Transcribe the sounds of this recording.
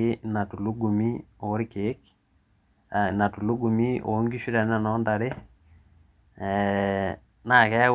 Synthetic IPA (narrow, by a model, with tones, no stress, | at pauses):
ɪ˦na˨tu˨lu˦ɡu˨mi˦o˨˦ɾɪ˦keː˦k | a˨na˨tu˨lu˦ɡu˨mi˦ʔo̰˨˦ŋɡi˦ʃi˦ɾɛ˨na˨nɔ˦nda˨ɾe˦ | ɛ | na˨kɛ˦